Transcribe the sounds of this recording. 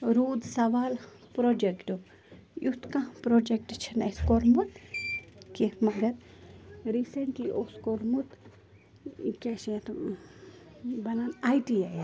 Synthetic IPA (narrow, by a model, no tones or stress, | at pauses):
ɾuːd̪sɐʋaːl | pɾoːd͡ʒekʈo | jʔut̪kãpɾod͡ʒek̚ʈt͡ʃʰɐneskoɾmut̪ | kimɐɡɐɾ | ɾiseɳʈkiʔoskoɾmut̪ | keʃẽt̪ | bɐnanajʈiej